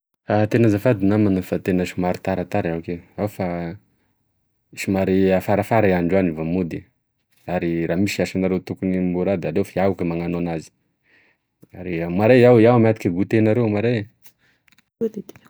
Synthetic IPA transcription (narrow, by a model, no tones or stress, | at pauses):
at̪enazafad̪inamanəfat̪enəʃumaɾit̪aɾat̪aɾawkeawfa | iʃumaɾiafaɾafaɾaaɳɖ͡ʐanivamud̪i | aɾiɾamisiaʃanaɾewt̪ukunimbuɾad̪aɾewfaiaukəmaŋanonazi̥ | aɾiamaɾaawiawamat̪ikʲaɡut̪enaɾewmaɾaj | d̪